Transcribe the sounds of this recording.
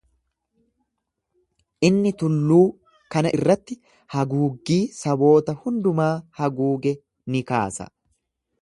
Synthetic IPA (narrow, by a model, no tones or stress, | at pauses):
ʔɪnːɪt̪ʊlːuː | kɐnɐʔɪrːɐt̪ːɪ | hɐɡuːɡːiːsɐbo̞ːt̪ɐhʊnd̪ʊmaːhɐɡuːɡɛ | nɪka̰ːsɐ̰